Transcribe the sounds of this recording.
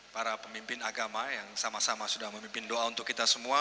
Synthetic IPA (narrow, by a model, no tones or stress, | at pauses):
paɾapəmimpɪnaɡamajaŋsamasamasudahməmimpɪndoaunt̪ʊkːit̪asəmua